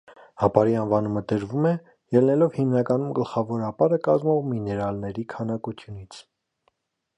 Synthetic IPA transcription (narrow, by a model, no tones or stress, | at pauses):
hɑpɑɾiɑnvɑnuməd̪əɾvumɛ | jɛlnɛlɔvhimnɑkɑnumɡəlχɑvɔɾɑpɑɾəkɑzmɔʁminɛɾɑlnɛɾikʰɑnɑkut͡sʰjunit͡sʰ